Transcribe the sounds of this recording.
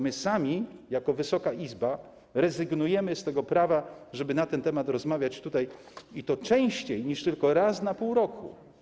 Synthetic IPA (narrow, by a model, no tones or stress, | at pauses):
mɘsamʲijakɔvɘsɔkaʔizba | ɾɛzɘɡnujɛmɘst̪ɛɡɔpɾavaʐɛbɘnat̪ɛnt̪ɛmat̪ɾɔzmavʲjat͡ɕt̪ut̪aj | it̪ɔt͡ʂɛ̃w̃ɕt͡ɕejɲiʂt̪ɘlkɔɾasnapuwɾɔkʰṵ